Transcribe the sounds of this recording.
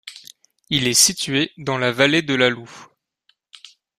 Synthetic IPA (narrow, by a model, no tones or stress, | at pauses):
ilɛsit̪ɥed̪ɑ̃lavaled̪əlalu